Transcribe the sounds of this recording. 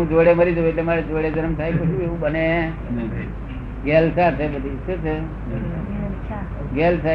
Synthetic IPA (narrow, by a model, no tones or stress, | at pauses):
ũd͡ʒoɽeməɾid͡ʒoetlemaɾed͡ʒoɽed͡ʒəɾəmt̪ʰajkot͡ʃʰueũbəne | ɡelsat͡ʃʰebəd̪ʱiset͡ʃʰe | ɡelsa